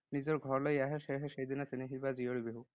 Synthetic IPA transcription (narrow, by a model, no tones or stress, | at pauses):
nizɔɹɡʱɔɹlɔjaɦeʃeɦeʃejd̪inasiniɦibazioɽibeɦu